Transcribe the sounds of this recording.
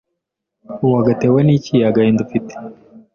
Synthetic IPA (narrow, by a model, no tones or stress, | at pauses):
uwaɡatɛwɛnit͡ʃijaɡaind̪ufit̪i̥